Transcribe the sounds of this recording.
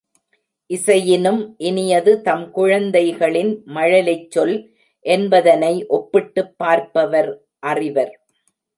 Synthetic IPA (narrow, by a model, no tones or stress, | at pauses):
ʔɪsɐjɪnɯmʔɪnɪjɐðɯt̪ɐmkʊɻɐnd̪ɐɪɣɐɭɪnmɐɻɐlɐt͡ʃːɔl | ʔɛnbɐðɐnɐɪʔɔpːɪʈːɯpːaːɾpɐʋɐɾ | ʔɐrɪʋɐɾ